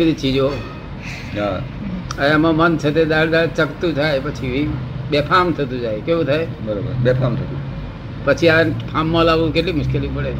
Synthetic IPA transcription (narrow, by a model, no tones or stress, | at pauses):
id̪ʱit͡ʃʰid͡ʒoː | ɦa | əẽəmãmənt͡ʃʰət̪ed̪aːɽd̪at͡ʃəkt̪ũd͡ʒʱaːepət͡ʃʰiʋiɓepʰamt̪ʰɐt̪̬ũd͡ʒaːekeũt̪ʰae | bəɾobə̰ɾɓepʰamt̪ʰət̪ũ | pət͡ʃʰiapʰaːmːãlaːʋũkeʈlimʊʃkelipəɽe